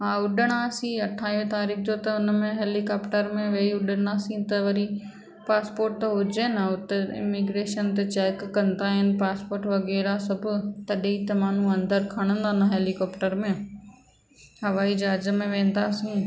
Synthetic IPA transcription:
ɦãːʊɗəɽ̃asĩɐʈʰaːiʋet̪aːɾiːk̚d͡ʑot̪ɐʊnəmẽɦeːlikaːpʈəɾmẽʋeːiʊɗəɽ̃aːsĩt̪ɐʋɐɾi | paːspoːɾʈ̚t̪ɐɦʊd͡ʑenãʊt̪eɪ̰miɡɾeːʃənt̪et͡ɕeːkːɐ̃nd̪aːɦɪnɪ̆paːspoːɾʈʋɐɣɛːɾasɐbʱʊt̪ɐɗit̪ɐmaːn̤ũɐ̃nd̪əɾkʰɐɽ̃ə̃nd̪anɐɦeːlikɔːpʈəɾmẽ | hɐʋaːid͡ʑaːd͡ʑəmẽʋẽːn̆d̪aːsĩ

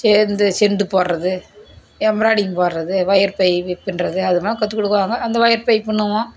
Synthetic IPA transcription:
sɛːɾnd̪ɯsɛɳɖɯpoːɾɾɐðɯ | ɛmɾaːɽɪjɯmpoːɾɾɐðɯʋɐjɐɾpɐɪpːɪnrɐðɯɐðɯmaːlɐ̃kɐt̪ːɯkːɔɽɯkːɯʋaːŋɡɐːnd̪ɐʋɐjɐɾpɐɪpɪɳːɯʋõː

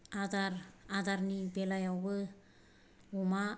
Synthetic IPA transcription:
adaɾadaɾnibelajawbɯ | uma

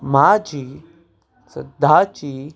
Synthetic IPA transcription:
maːd͡ʒi | sə̰d̪aːt͡ʃiː

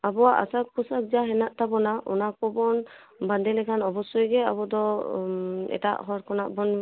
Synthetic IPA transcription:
abɔwaʔa̰sak̚pɔsak̚zaɦɛnaʔt̪abɔnaʔɔ̰nak̚pɔbɔn | band̪ɛlɛkʰanɔbɔsɔjɡɛa̰bɔd̪ɔ | ɛ̰ta̰ʔɦɔɾkʰɔnaʔbɔn

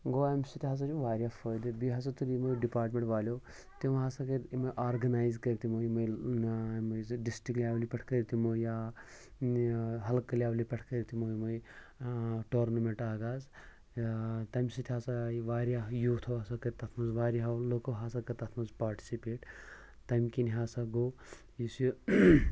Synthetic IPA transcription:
ɡoamʲsit̪ʰʲiɦasat͡ʃʲuʋaːɾjafʰɐjd̪ɨbiɦɐsɐt̪uɾimojɖipaːɾʈmeɳʈʋaːlʲjoː | t̪imɦasakɐɾimɐjʔaːɾɡɐnaːjzkɐɾit̪imojmɐj | mɐjɖisʈiklʲjaːʋlipʲɐʈʰkɐɾit̪imoja | ɦɐlkːɐljaːʋlipʲɐʈʰkɐɾit̪ʰimojmoj | ʈoːɾnɐmeɳʈaːɡaːz | t̪ɐmsit̪ʰiɦaːsaʋaːɾjajuːt̪ʰoaːsakɐɾt̪ɐt̪ʰmɐzʋaːɾiɦawlokoɦaːsakɐt̪ɐt̪ʰmɐzpaːɾʈi̥sipeːʈ | t̪ɐmkiniɦaːsaɡoː | jisi

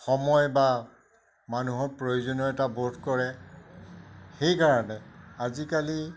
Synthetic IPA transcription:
xɔmɔjba | manuɦɔɹpɹojuzɔnɔɛtabotkɔɹɛ | xejkaɹɔnɛazikali

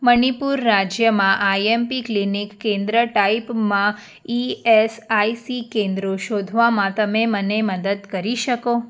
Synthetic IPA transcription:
mənipuɾːad͡ʒjəmãʔajempiklinikːẽnd̪ɾəʈaipmã | iesaisikẽnd̪ɾoʃod̪ʱʋamãt̪əmeməneməd̪əd̪kəɾiʃəko

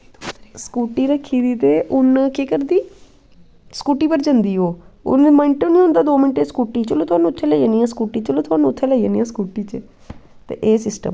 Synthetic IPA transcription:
skuːʈiːɾəkʰːiːd̪iːt̪eːʔʊnkekəɾd̪iː | skuːʈiːpəɾd͡ʒənd̪iːɦoːʊ̰nməɪɳʈʊnĩːõnd̪aːd̪oːmɪɳʈeːskuːʈiːt͡ʃəloːt̪ʊaːnːũːʊt̪ʰːeːlɛːjəniːãːskuːʈiːt͡ʃəloːt̪ʊaːnũːʊt̪ʰːeːlɛːiənĩːãːskuːʈiːt͡ʃə | t̪ḛːʔeːsɪsʈə̰m

